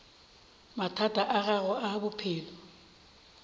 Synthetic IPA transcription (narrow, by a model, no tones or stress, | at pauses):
matʰatʰʼaʔaɣaɣɔabʊpʰɪːlɔ